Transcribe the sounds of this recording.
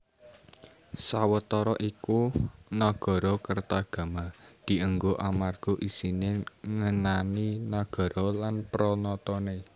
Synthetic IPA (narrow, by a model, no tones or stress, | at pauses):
sawət̪ɔɾɔʔikunaɡ̥ɔ̤ɾɔkərt̪aɡ̥a̤mad̪̥i̤əŋɡoʔamarɡ̥o̤ʔisineŋənaninaɡ̥ɔ̤ɾɔlanpɾɔnɔt̪ɔne